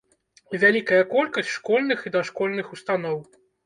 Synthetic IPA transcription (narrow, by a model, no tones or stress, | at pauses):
vʲalʲikɐjɐkɔlʲkɐsʲʂkɔlʲnɨxid̪ɐʂkɔlʲnɨxust̪anɔw